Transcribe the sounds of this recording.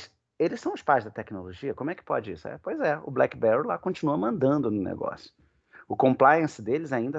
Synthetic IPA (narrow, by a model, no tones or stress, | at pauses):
s | elɪsɐ̃w̃ʊspajzd̪ɐt̪ɛknoloʒiɐkõmʊɛkɪ̥pɔ̰d͡ʒɪḭsʊɛ̰pojzɛʊ̰blɛkɪbɛɾolakõnt͡ʃinuɐmɐ̃nd̪ɐ̃nd̪ʊnʊnḛɡɔ̰sjʊ̥ | ʊkõmplajẽsɪd̪elɪzaĩnd̪ɐ